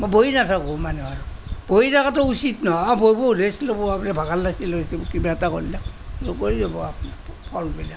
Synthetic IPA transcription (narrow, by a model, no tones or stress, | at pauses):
moboinatʰakɔmanɛaɹub̥ojitʰakatɔusitnɔabʱojboɾeslobɔapnabʱaɡalːasilosibɔkibaɛtakolilak̚ | lokoɹizabɔapnapʰɔlbila